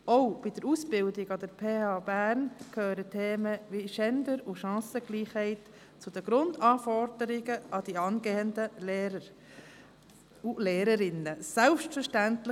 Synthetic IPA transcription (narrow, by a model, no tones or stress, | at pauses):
ɔʊb̥id̥əɾusb̥ɪldɪɡɑd̥əɾpʰeːɑːbæːɾnkʰøːɾətʰeːməʋiʃɛndəɾuʃɑ̃ːsəɡliːχhɛɪt | t͡sud̥əɡ̥ɾʊndɑːfɔɾd̥əɾɪɡəɑd̥iɑnɡeːəndəleːə | uleːɾəɾɪnːəsɛlpʃtfəʃtæntlɪ